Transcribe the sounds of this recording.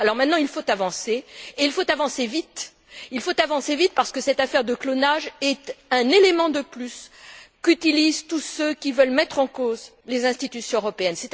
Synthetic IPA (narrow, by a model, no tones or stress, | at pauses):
alɔʁmɛ̃t̪nɑ̃ilfot̪avɑ̃seeilfot̪avɑ̃sevit̪ | ilfot̪avɑ̃sevit̪̚paʁsə̥kəsɛt̪afɛʁd̪əklonaʒɛt̪ɛ̃nelemɑ̃d̪əplyskyt̪ilizt̪usøkʲivœlmɛt̪χɑ̃koz | lezɛ̃st̪it̪ysjɔ̃øʁɔpeɛnsɛt̪